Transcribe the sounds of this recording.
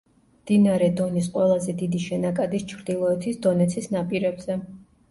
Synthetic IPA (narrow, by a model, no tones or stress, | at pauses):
md̪̥inaɾɛd̪ɔnis̬qʼwɛlˠazɛd̪id̪iʃɛnakʼad̪ist͡ʃʰɾd̪ilˠɔɛt̪ʰisd̪ɔnɛt̪sʰisnapʼiɾɛbz̥ɛ